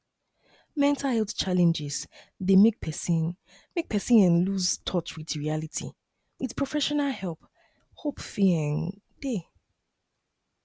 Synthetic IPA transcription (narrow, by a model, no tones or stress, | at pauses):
mɛ̃ntʰahɛlˠθt͡ʃalɛ̃nd͡ʒɪz̥ | ðemek̚pʰɛsĩn | mek̚pʰɛsĩnɛ̃nluztʰɔt͡ʃwiðɹialitʰḭ | wið̥pʰɹ̥ɔfɛʃɔnalhɛlˠp | hopfiɪ̃ŋ | d̥e